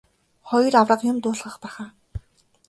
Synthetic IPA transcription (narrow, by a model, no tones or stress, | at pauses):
χɔj̆rawrə̆qjʊmt̪ʊːɮʁə̆χpæːχaː